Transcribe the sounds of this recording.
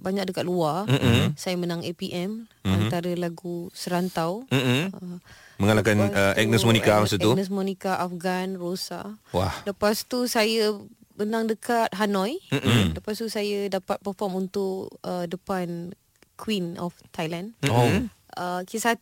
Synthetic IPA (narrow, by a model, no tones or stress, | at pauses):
baɲak̚dəkat̪̚luasajamənãŋepiʔɛmant̪aɾəlaɡusəɾant̪aw̩əməŋalakanəʔɛ̰k̚nəsmɔnikamasatɛunəs̬mɔnikaʔafɡanrosa̰wa̰hləpast̪usaja | mənãŋdəkat̪̚ɦanɔ̃j̩ləpast̪usajadapat̪̚pərfɔmunt̪ʊʔədəpan | kʰwinɔ̰ft̪ajlando | əkisa